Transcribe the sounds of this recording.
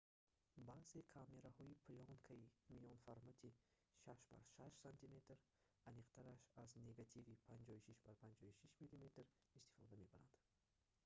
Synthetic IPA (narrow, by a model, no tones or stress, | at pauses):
baze̞kʰame̞ɾahɔipʰliɔŋkʰaimijɔnfaɾmat̪ʰi | ʃaʃba̰ɾʃaʃsant̪ʰime̞t̪ɾ | aniqt̪ʰaɾaʃazne̞ɡat̪ʰivipʰand͡ʒɔiʃiʃbaɾpʰand͡ʒɔhiʃiʃmilimet̪ɾ | ist̪i̥fɔd̪ame̞baɾand̪̥